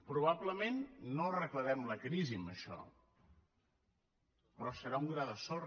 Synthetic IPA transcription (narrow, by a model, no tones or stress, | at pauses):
pɾuβ̞abləmenːorəkləɾɛmləkɾiziməʃɔ̰ | pɾɔsəɾauŋɡɾaðəsɔ